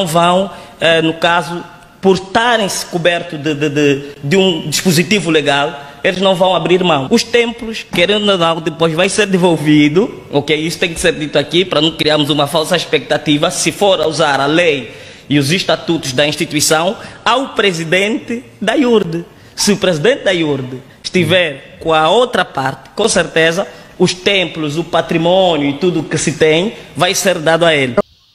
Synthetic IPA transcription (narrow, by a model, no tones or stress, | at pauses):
nɐ̃w̃vɐ̃w̃ɛnukazu | puɾt̪aɾẽj̃sɪ̥kubɛɾt̪ud̪ɨd̪ɨd̪ɨd̪ɪũd̪iʃpuzit̪ivuleɡalˠ | elɪʒnɐ̃w̃vɐ̃w̃abɾiɾmɐ̃w̃uʃt̪ẽmpluʃkeɾẽnd̪unaðawd̪ɨpojʒvãj̃seɾd̪evolvid̪u | okejisu̥t̪ẽj̃kɪ̥seɾd̪it̪uakipɾɐnɐ̃kɾiaɾmuzumɐfalˠsɐiʃpɛk̚t̪at̪ivɐsɨfoɾauzaɾɐlej | iuziʃt̪at̪ut̪uʒd̪ɐĩʃt̪it̪wisɐ̃w̃awpɾezid̪ẽnt̪ɨ | d̪ɐjuɾd̪ɨ | sɨupɾezid̪ẽnt̪̚d̪ajuɾd̪ɨ | ʃt̪ivɛɾkõɐowt̪ɾɐpaɾt̪ɨ̥kõsɨɾt̪ezɐuʃt̪ẽmpluzupat̪ɾimõnjuit̪ud̪uːkɨsɨt̪ẽj̃vajseɾd̪ad̪uael